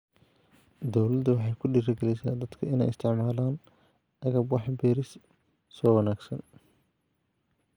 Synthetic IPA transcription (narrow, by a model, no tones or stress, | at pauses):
d̪ɔwlɐd̪ɐwɑħɑjkʰʊɖiːɾɐɡɛlɛjsa̰ːnd̪ɐd̪kʰɐɪnɛ̰jɪst̪ʰɪʕmaːlaːn | ɐɣɐbwɑħbɛːɾɪs | sɔːwɑnaːɡsɐn